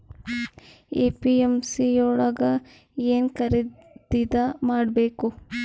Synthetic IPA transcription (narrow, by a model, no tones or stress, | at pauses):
eːpiemsiɔːɭɐɡɐ | eːnkɐɾi | d̪id̪ɐmaːɖbeːku